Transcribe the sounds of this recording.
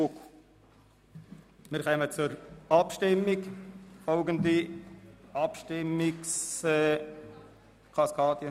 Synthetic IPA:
k | mɪɾχɛmət͡sʊɾɑpʃtɪmːikfɔʊɡənd̪i | ɑpʃtɪmːɪksɛ | kʰɑskʰɑːd̥̪jə

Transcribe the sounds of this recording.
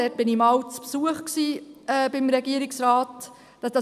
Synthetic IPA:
ɛt̚b̥ɪnimɑwt͡spsuəχksiːɛːb̥ɪmɾɛɡiəɾɪksɾɑːt | d̥ɑd̥ɑ

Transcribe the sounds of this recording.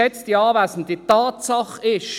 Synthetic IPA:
ɛt͡sd̥iɑːvaɪsn̩ditɑːtsɑχɪʃ

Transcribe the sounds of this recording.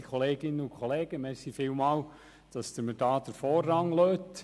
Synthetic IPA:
kʰɔleːɡɪnəʊkʰɔleːɡ̥əmɛsifɪːlmɑːl | d̥ɑsd̥̪əmədɑːd̥̪əɾfoːrːɑŋløːt

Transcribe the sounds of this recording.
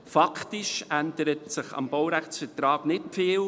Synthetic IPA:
fɑktɪʃʔændəɾətsɪχɑ̰mb̥ɔwɾæχt͡sfətɾɑːɡnɪtfiːl

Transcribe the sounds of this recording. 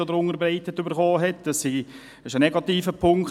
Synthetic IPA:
od̪əɾʊŋəɾbɾɛɪt̪ətːybəɾχɔːɦɛtd̥ɑsːi | ɪʃənɛɡɑt̪iːfəpʰʊŋk

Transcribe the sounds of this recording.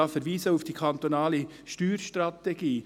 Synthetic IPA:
ɑːfɛɾʋiːsəufd̥iːkʰɑnt̪onɑːlə | ʃtyːɾʃtɾɑt̪eɡ̥iː

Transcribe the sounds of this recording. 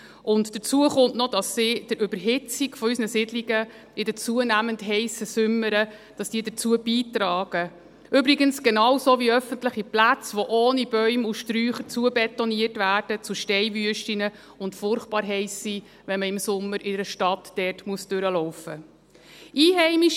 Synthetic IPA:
ʔʊndd̥ət͡suəχʊntnɔd̥ɑsːid̥əɾʔʏbəɾɦɪt͡siɡfɔysnəsɪdliɡə | ʔɪdət͡suənæməntɦɛɪsəsʏmːəɾə | d̥ɑsd̥iːdət͡suːəb̥iːtɾɑːɡ̥ə | ʔʏbɾiɡənsɡ̥enɑwsoːviœfəntləχiplæt͡sʋɔʔoːnib̥œʏmuʃtɾyːχət͡suəbɛtɔniərtvæːɾd̥ət͡sʊʃtɛɪvyəʃtinə | ʊntfʊrχb̥ɑːɾɦɛɪsːi | ʋɛnməɪmsʊmːəɾɪdəɾəʃtɑtd̥ɛrtmuəsd̥øɾəlɔʊfə | ʔiːɦɛɪmiʃ

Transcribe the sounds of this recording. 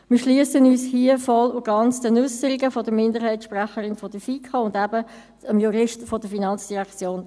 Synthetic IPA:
mɪːʃliəsənyːshiəfɔlʊɡɑnt͡sdənʉsəɾɪɡəfɔdəmɪndəɦɛɪtʃpræχəɾɪnfɔd̥əfikʰɑʊndæbə | əmjuɾɪʃtfɔd̥əfinɑnt͡sd̥iʁækt͡sjoːn

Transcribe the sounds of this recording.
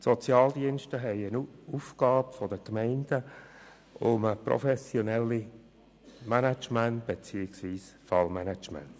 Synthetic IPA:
sɔt͡sjɑːld̪iənʃtəɦɛɪənufɡ̥ɑːbfɔdəkmɛɪnd̥ə | ʊməpɾɔ̰fɛsjɔnɛlːi | mænat͡ʃmænt̚b̥et͡siːɪksʋiːsfɑlmænat͡ʃmæ̰nt

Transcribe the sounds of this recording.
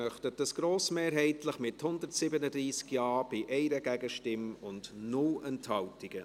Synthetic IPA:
œχtətəsɡ̥ɾoːsmeːɾɦɛɪtləχmɪthʊndətsɪbənədɾiːskjɑːb̥ɪʔɛɪɾəɡæɡəʃtɪmʊndnʊlɛnthɑltɪɡ̥ə

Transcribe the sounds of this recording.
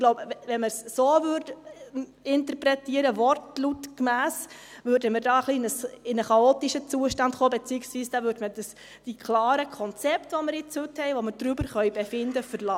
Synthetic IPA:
ɡ̥lɔʊbʋɛnməsːoːʋʏrd | ɪntəɾpɾɛtiəɾəvɔrtlutkmæːsʋøːɾdəməɾdɑːəχliɪnəsɪnəχɑoːt̪iʃət͡suəʃtɑndχoːbet͡siːɪksʋiːsd̥ɑʋøːɾdmədəs | d̥ikʰlɑːɾəkʰɔnt͡sɛptʋoməɾɪt͡shøthɛɪʋoməɾd̥ɾybəɾχœʏbefɪndəfəɾlɑ

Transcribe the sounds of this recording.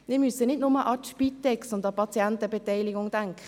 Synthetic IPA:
mɪːɐmysənɪtnʊməʔɑtʃpitːɛksʊndɑpʰɑt͡sjɛntəbetɛɪliɡʊŋd̥aŋkʰχə

